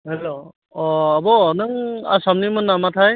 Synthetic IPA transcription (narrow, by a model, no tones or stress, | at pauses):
hɛlo | ɔabɔnɯŋa̰samnimɯnːamatʰaj